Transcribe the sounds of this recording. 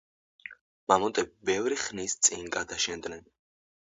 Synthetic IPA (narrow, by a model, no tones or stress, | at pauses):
mamɔt̪ʼɛbibɛvɾiχnist̪sʼinɡad̪aʃɛnd̪nɛn